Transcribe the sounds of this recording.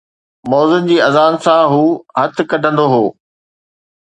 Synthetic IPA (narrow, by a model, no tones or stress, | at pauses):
mɔːzənd͡ʑiːɐzaːnsãɦuːɦɐt̪̆ʰkɐɖʱə̃nd̪oɦoː